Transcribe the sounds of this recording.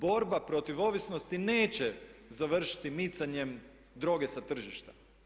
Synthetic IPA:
bo̞ɾbapɾo̞t̪iʋo̞ʋisno̞st̪ine̞ːt͡ɕezaʋr̩ʃi̥t̪imit̪saɲem | d̪ɾo̞ːɡesat̪r̩ʒiʃt̪a

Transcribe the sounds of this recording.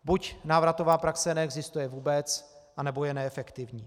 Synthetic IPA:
bucnaːvɾat̪o̞vaːpɾaksɛnɛɛɡzɪst̪ujɛvuːbɛt͡sʔanɛbo̞jɛnɛɛfɛkt̪ɪvɲiː

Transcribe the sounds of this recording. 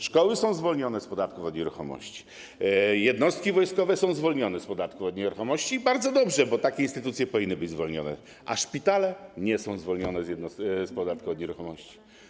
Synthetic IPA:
ʂkɔwɘsɔ̃w̃zvɔlɲɔnɛspɔd̪at̪̚kufɔd̪ɲɛɾuxɔmɔ̰ɕt͡ɕi̥ | jɛd̪nɔst̪̚kʲivɔjskɔvɛsɔ̃w̃zvɔlɲɔnɛspɔd̪at̪kufɔd̪ɲɛɾuxɔmɔɕt͡ɕibaɾd̪zɔd̪ɔbʐɛbɔt̪akʲɛinst̪ɘt̪ut̪sʲjɛpɔvʲinːɘbɘd͡ʑzvɔlɲɔnɛ̰ | ʔa̰ʂpʲit̪alɛɲɛsɔ̃w̃zvɔlɲɔnɛzjɛd̪nɔsspɔd̪at̪̚kɔd̪ɲɛɾuxɔmɔɕt͡ɕi̥

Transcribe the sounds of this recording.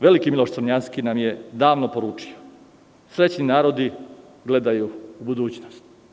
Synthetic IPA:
ʋe̞likimilo̞ʃsɾɲanskinamje̞d̪aːʋnopo̞ɾuːt͡ʂi̥o̥ | sɾe̞t͡ɕninaːɾo̞d̪i | ɡle̞d̪ajuubud̪uːt͡ɕnost̪

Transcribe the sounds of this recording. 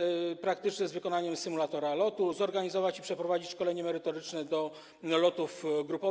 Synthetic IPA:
pɾakt̪ɘt͡ʂɲɛzvɘkɔnaɲɛmsɘmulat̪ɔɾalɔt̪uzɔɾɡaɲizɔvat͡ɕipʂɛpɾɔvad͡ʑit͡ɕʂkɔlɛɲɛmɛɾɘt̪ɔɾɘt͡ʂnɛd̪ɔ | lɔt̪ufɡɾupɔ

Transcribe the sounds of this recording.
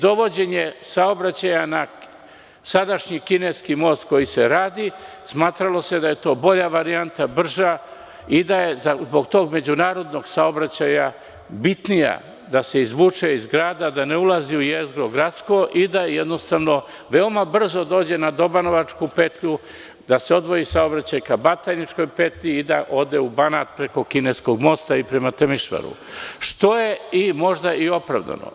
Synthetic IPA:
d̪o̞ʋo̞d͡ʑe̞ɲesaobɾat͡ɕajana | sad̪aʃɲikineskimo̞ːst̪ko̞jiseɾaːd̪i | smaːt̪ɾalo̞se̞d̪aje̞t̪o̞ːbo̞ʎaʋaɾiant̪abr̩ʒa | id̪aje̞zazbo̞ɡt̪oːɡme̞d͡ʑunaːɾo̞d̪no̞ɡsao̞bɾat͡ɕaja | bit̪nija̰ | d̪ase̞izʋuːt͡ʃeizɡɾaːd̪ad̪ane̞ulˠaziujezɡɾo̞ɡɾat̪sko̞ʔid̪ajed̪no̞st̪aʋno̞ | ʋe̞omabr̩zo̞d̪o̞ːd͡ʑe̞nad̪o̞bano̞ʋat͡ʃkupe̞t̪ʎu | d̪aseo̞d̪ʋo̞jisaobɾat͡ɕajkabat̪anit͡ʃko̞jpet̪ʎʲiːd̪aʔo̞d̪eubanaːt̪̚pɾe̞ko̞kinesko̞ɡmo̞st̪aipɾemat̪emiʃʋa̰ɾṵʃt̪o̞je̞imo̞ʒd̪aʔio̞pɾa̰ʋd̪a̰no̰

